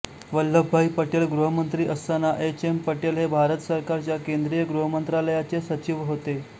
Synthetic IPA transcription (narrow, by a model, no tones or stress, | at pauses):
ʋəlːəbʱaipəʈelɡɾuɦəmənt̪ɾiːʔəst̪anaʔet͡ɕempəʈelɦebʱaɾət̪səɾkaɾt͡ɕjakend̪ɾijəɡɾuɦəmənt̪ɾaləjat͡sesət͡ɕiʋɦot̪e